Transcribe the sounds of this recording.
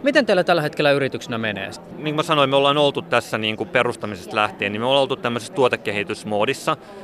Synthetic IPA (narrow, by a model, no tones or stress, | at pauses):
mit̪ent̪eilæt̪ælːæhet̪kelːæyɾit̪yksenæmenḛː | niːŋkumesɑnoimeolːɑnolt̪ut̪t̪æsːæniːŋkuperust̪ɑmisest̪læht̪eːnimeolːnolt̪ut̪t̪æmːøsest̪uot̪ekːehit̪ysmoːdisːɑ